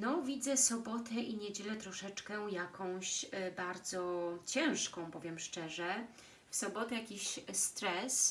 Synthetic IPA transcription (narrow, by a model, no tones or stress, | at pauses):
nɔvʲid̪zɛsɔbɔt̪ʰɛʔiɲɛd͡ʑɛlɛt̪ɾɔʂɛt͡ʂkɛjakɔ̃w̃ɕbaɾd̪zɔt͡ɕɛ̃w̃ʂkɔ̃w̃bɔvʲjɛmʂt͡ʂɛʐɛ | fsɔbɔt̪ɛjakʲiɕst̪ɾɛs